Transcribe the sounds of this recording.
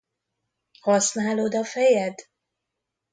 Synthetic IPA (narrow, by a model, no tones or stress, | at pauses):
hɒsnaːlod̪ɒfɛjɛd̪